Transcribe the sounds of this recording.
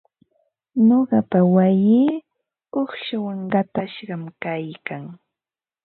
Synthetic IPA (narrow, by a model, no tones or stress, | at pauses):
ɲoɢɑpawajiː | oχʃawaŋɢɑt̪aʃɢɑmkajkaŋ